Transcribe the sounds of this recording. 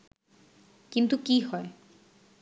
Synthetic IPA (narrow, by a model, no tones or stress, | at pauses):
kint̪ukiɦɔe